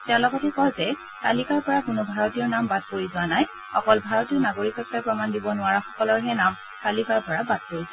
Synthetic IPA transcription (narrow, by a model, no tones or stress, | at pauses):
tɛʊ̃lɔɡɔtɛkɔɹzɛ | talikaɹpɔɹakʊnʊbʱaɹɔtijɔɹnambad̚poɹizʊwanaj | xɔkɔlbʱaɹɔtiɔɹnaɡoɹikɔkːajpɹɔmandibɔnʊwaɹɔxɔkɔlɔɹɦɛnam | talikaɹpɔɹabad̚koɹisɛ